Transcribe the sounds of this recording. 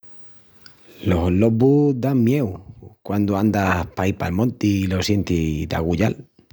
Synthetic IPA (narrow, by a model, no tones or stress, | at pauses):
lo̞solːobud̪aŋmje̞wkwand̪oand̪ahpaiɾpa̰lmõ̞nt̪ilo̞sje̞nt̪id̪a̰ɣuʎa̰l